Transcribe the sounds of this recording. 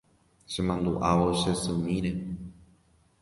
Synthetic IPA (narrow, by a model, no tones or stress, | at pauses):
ʃemãnd̪uʔaʋoʃesɨmĩɾe